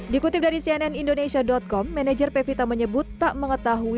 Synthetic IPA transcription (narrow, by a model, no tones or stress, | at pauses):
dikut̪ɪp̚daɾisiɛnɛnindonesiadɔt̪̚kɔmːɛned͡ʒərpefit̪aməɲəbut̪ːaʔməŋət̪aɦu